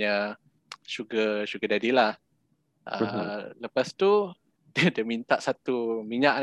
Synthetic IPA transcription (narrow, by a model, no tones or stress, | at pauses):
ə | ʃuɡəʃuɡədadilah | ʔə̰ləpast̪u | ddəmint̪aʔsat̪umiɲaʔ